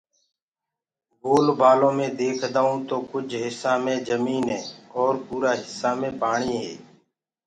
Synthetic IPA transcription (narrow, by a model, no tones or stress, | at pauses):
ɡoːlbaːlõːmẽːd̪eːkʰd̪aːũːt̪oːkʊd͡ʒʱɦɪsːãːmẽːd͡ʒəmiːnɦẽːɔːɾpuːɾaːɦɪsːaːmẽːpaːɳiːɦḛː